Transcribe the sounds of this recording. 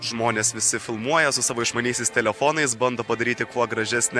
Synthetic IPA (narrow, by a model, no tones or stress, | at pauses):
ʒmoːnʲeːsʋʲɪsʲɪfʲɪlˠmuɔjɛsʊsɑːʋoːɪʃmɐnʲiːsʲɛɪst̪ʲɛlʲɛfoːnɐɪsbɐnd̪oːpɐd̪ɐɾʲiːt̪ʲɪkuɔɡɾɐʒʲɛsʲnʲɛ